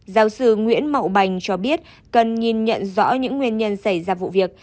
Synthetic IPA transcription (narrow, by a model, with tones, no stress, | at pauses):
zaː˨˦wsɨ˧ŋwḭ˧˥ənmə̰˧˨wɓa˨˩jŋ̟t͡ɕɔ˧ɓi˦˥ət̚ | kə˨˩nŋi˨˩nɲə̰˧˨nzɔ̰˧˥ɲɨ̰˧˥ŋːwi˧ənɲə˧nsa˧˩jzaː˧vṵ˧˨vi˨˩ək̚